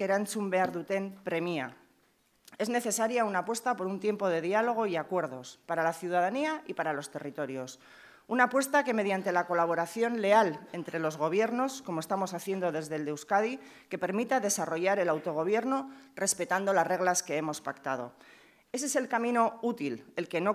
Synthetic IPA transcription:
eɾansumbe̞aɾðut̪e̞mpɾe̞mia̰ | e̞zne̞θe̞saɾjaunapwe̞st̪apo̞ɾunt̪jempo̞ð̞e̞ðialo̞ɣ̞o̞iakwe̞ɾð̞o̞spaɾalaθjuðaðaniaipaɾalo̞st̪e̞rit̪o̞ɾjo̞s | unapwe̞st̪ake̞me̞ð̞jant̪e̞lako̞laβ̞o̞ɾaθjo̞nle̞ale̞nt̪ɾe̞lo̞zɣo̞β̞je̞ɾno̞sko̞moest̪amo̞saθje̞nd̪o̞ðe̞zðe̞ld̪ewskaði | ke̞pe̞ɾmit̪aðe̞saro̞ʝaɾe̞lawt̪o̞ɣ̞o̞β̞je̞ɾnore̞spe̞t̪and̪o̞lazre̞ɣ̞laske̞e̞mo̞spakt̪að̞o̞̰ | e̞s̬e̞se̞lkamĩno̞ut̪ile̞lke̞no̞

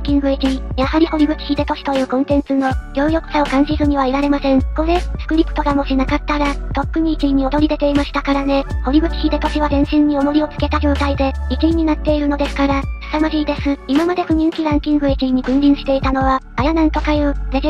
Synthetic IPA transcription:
kʲĩŋɡɯ̟ekʲijahaɾʲiho̞ɾʲiɡɯ̟kʲi̥çʲid̪e̞t̪o̞ɕi̥t̪o̞jɯ̟ːkõ̞nt̪ẽ̞nt͡sɨno̞ɡʲo̞ːjo̞kɯ̟sao̞kãñɕizɨɲ̟iβaiɾaɾe̞masẽ̞ɴko̞ɾe̞sɨ̥kɯ̟ɾʲipɯ̟̥t̪o̞ɡamo̞ʑinakat̪ːaɾat̪o̞kːɯ̟ɲ̟iːkʲiɲ̟ːio̞d̪o̞ɾʲid̪e̞t̪e̞imaɕi̥t̪akaɾane̞ho̞ɾʲiɡɯ̟kʲi̥çʲid̪e̞t̪o̞ɕiβazẽ̞ɰ̃ɕĩɲ̟ːio̞mo̞ɾʲio̞t͡sɨ̥ke̞t̪ad͡ʑo̞ːt̪aid̪e̞ikʲiiɲ̟inat̪ːe̞iɾɯ̟no̞d̪e̞sɨ̥kaɾassamaɾʲiːd̪e̞sɨimamad̪e̞ɸɯ̟ɲ̟ĩŋkʲiɾãŋkʲĩŋɡɯ̟ekʲiɲ̟iɡɯ̟̃nɾʲĩɰ̃ɕi̥t̪e̞it̪ano̞βaːjanãnt̪o̞kajɯ̟ːde

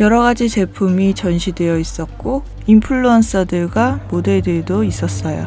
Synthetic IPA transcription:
jʌɾʌɡad͡ʑit͡ɕe̞pʰumit͡ɕʌnɕʰidwe̞jʌis͈ʌt̚k͈o | impʰuɭːuʌns͈adɯɭɡamode̞dedois͈ʌs͈ʌjo̰

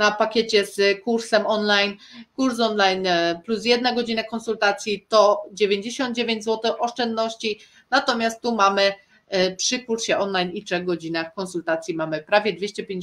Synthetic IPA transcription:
napakʲet͡ɕɛskuɾsɛmɔnlajnkuɾs̬ɔnlajnplusjɛd̪naɡɔd͡ʑinakɔnsult̪at̪sʲjit̪ɔd͡ʑevʲjeɲd͡ʑeɕɔnd̪̚d͡ʑevʲeɲd͡ʑʲzwɔt̪ɘʔɔʂt͡ʂɛnd̪nɔɕt͡ɕi | nat̪ɔmʲjast̪ːumamɘ | pʂɘkuɾɕɛɔnlajnitʂɛɣɡɔd͡ʑinaxkɔnsult̪at̪sʲjimamɘpɾavʲjɛd̪vʲjeɕt͡ɕɛpʲjẽɲd͡ʑ

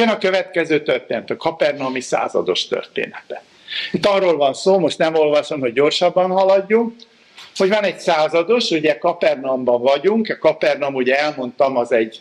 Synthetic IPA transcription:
ɛnɒkøvɛt̪kɛzøːt̪ørt̪eːnɛt̪ɒkɒpɛrnɒmisa̰ːzɒ̰d̪o̞ʃt̪ø̰rt̪ḛːnɛt̪ɛ | it̪ːɒrːoːlvɒnsoːmo̞ʃt̪nɛmo̞lvɒʃo̞mho̞ɟːo̞rʃɒbːɒnhɒlɒɟːuŋk | ho̞ɟvɒnɛɟsaːzɒd̪o̞ʃuɟɛkɒpɛrnɒmbɒɱvɒɟuŋkɛkɒpɛrnɒmuːɟɛɛlmo̞nt̪ɒmɒzɛɟ

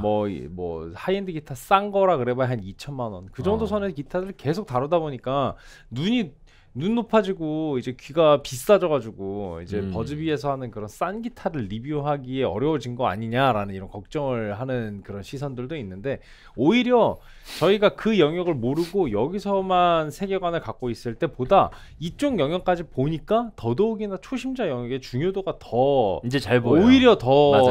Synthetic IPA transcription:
mʌ̰mʌ̰haindɯɡitʰas͈aŋɡʌɾakɯɾe̞baɦanit͡ɕʰʌnmanwʌnkɯd͡ʑʌŋdosʰʌnekitʰaɾɯɭke̞sʰok̚taɾʌdaboɲik͈a | nuɲi | nunːopʰad͡ʑiɡoid͡ʑe̞kɥiɡapis͈ad͡ʑʌɡad͡ʑuɡoḭd͡ʑe̞pʌd͡ʑɯbie̞sʰʌhanɯnkɯɾʌns͈anɡitʰaɾɯɭːibioɦaɡie̞ʌ̰ɾjʌud͡ʑinɡʌa̰ɲiɲaɾanɯniɾʌnkʌk̚t͡ɕ͈ʌŋɯɭɦanɯnkɯɾʌnɕʰisʰʌndɯɭdoinːɯnde̞ | oiɾjʌ | t͡ɕʌiɡakɯjʌŋjʌɡɯɭmoɾɯɡojʌɡisʰʌmansʰe̞ɡe̞ɡwanɯɭkak͈ois͈ɯɭt͈e̞poda | it͡ɕ͈oŋjʌŋjʌŋk͈ad͡ʑipoɲik͈atʌdooɡinat͡ɕʰoɕʰimd͡ʑajʌŋjʌɡe̞t͡ɕuŋjodoɡatʌid͡ʑet͡ɕabooiɾjʌtʌ

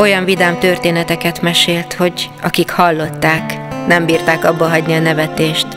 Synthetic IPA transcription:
o̞jɒɱvid̪aːmt̪ørt̪eːnɛt̪ɛkɛt̪mɛʃeːlt̪ho̞ɟ | ɒkikhɒlːo̞t̪ːaːknɛmbiːrt̪aːkɒbːɒɦɒɟniɒnɛvɛt̪eːʃt̪

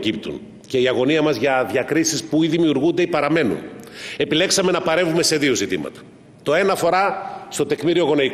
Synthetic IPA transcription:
cip̚t̪ṵn | ce̞iɐɣo̞niɐmɐzʝɐðʝɐkɾisispuiðimiuɾɣund̪eipɐɾɐme̞nṵne̞pile̞ksɐme̞nɐpɐɾe̞vume̞se̞ðio̞zit̪ḭmɐ̰t̪ɐ̥ | t̪o̞e̞nɐfo̞ɾɐst̪o̞t̪e̞kmiɾio̞ɣo̞nei

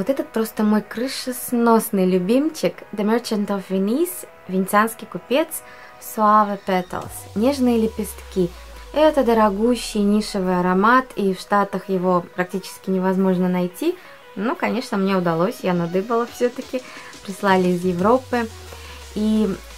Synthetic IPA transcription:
vot̪ɛt̪ət̪̚pɾo̞st̪əmo̞jkɾɨʂɨsno̞snɨjlʲʊbʲimt͡ɕɪkd̪əmʲert͡ɕɪnt̪ofvʲɪnʲis | vʲɪnʲɪtsʲanskʲɪjkʊpʲe̞t̪s | fsʊavəpʲɛt̪ʲə̰lˠsnʲe̞ʐnɨjəlʲɪpʲɪst̪kʲi | ɛt̪əd̪əɾɐɡuɕːɪjnʲiʂɨvɨjɐɾɐmat̪ifʂt̪at̪əxjɪvo̞pɾɐk̚tʲit͡ɕɪ̥skʲɪnʲɪvɐzmo̞ʐnənɐjtʲi | nukɐnʲe̞ʂnəmnʲeʊd̪ɐlˠo̞sʲjanɐd̪ɨpəlˠəfsʲɵt̪əkʲɪ | pɾʲɪslˠalʲɪːzjɪvɾo̞pːɨ | i

